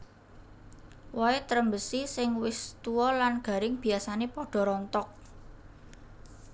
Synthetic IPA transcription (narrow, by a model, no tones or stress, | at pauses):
waet̪əɾəmbəsisɪŋwɪst̪uwɔlanɡ̥a̤ɾɪŋb̥i̤asanepɔɖ̥ɔ̤ɾɔnt̪ɔk̚